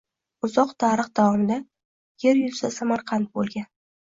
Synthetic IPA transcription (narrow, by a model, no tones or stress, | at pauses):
ʊzɒqt̪ʰaɾɨχd̪avɒmɪd̪a | jeɾjʊlˠsasamaɾqʰɑnt̪̚bolˠɡʲan